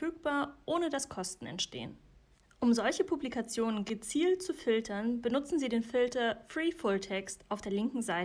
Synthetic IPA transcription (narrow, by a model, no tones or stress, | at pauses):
fyːk̚b̥aːɐʔoːnədaskʰɔstn̩ɛ̰ntʃtḛːən | ʔʊmzɔlçəpʰublikat͡sjoːnənɡət͡siːlt̚t͡sufɪltʰɐnbənʊt͡sn̩ziːdeːnfɪltɐfʁ̥iːfʊltʰɛkstʔaʊfd̥eːɐlɪŋkŋ̩zaɪtə